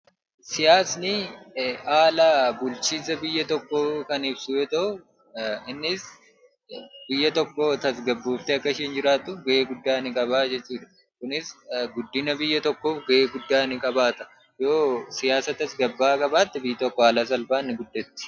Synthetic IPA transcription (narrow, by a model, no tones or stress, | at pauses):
sɪjaːsnɪʔaːlaːbʊlt͡ʃiːsɐbɪjːɐt̪ɔkːoːkɐnɪbsuːjɛt̪ɐʔʊ | ɪnːɪs | bɪjːɐt̪ɔkːot̪ɐsɡɐbːuːft̪ɛɐkːɐɪʃɛnd͡ʒɪɾaːt̪ːʊfɡɐʔeːɡʊd̪ːaːnɪkʼɐβaːd͡ʒɛt͡ʃːuːᶑ̪ɐ̥ | kʊnɪsɡʊd̪ːɪnɐbɪjːɐt̪ɔkːoːfɡɐʔeːɡʊd̪ːaːnɪkʼɐbaːt̪ɐ̥ | jo̞ːsɪjaːsɐt̪ɐsɡɐbːaːkʼɐbaːt̪ːɪbɪjːɐt̪ɔkːɔaːlaːsɐlfaːnːɪɡʊd̪ːɛt̪ːɪ̥